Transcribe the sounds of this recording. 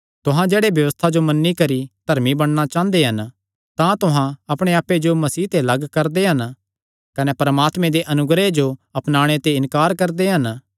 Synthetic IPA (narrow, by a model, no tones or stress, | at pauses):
t̪ʊɦãd͡ʒeːɽebjɐʋəst̪ʰad͡ʒomɐnːikɐɾid̪ʱɐɾmibɐɽ̃nat͡ʃãːnd̪eɦɐn | t̪ãt̪ʊɦãɐpɽ̃eaːpːed͡ʒomɐsiːt̪elɐɡkɐɾd̪eɦɐn | kɐnɛpɐɾmaːt̪mẽd̪eʔɐnʊɡɾed͡ʒoɐpnaːɽ̃et̪eɪnkaːɾkɐɾd̪eɦɐn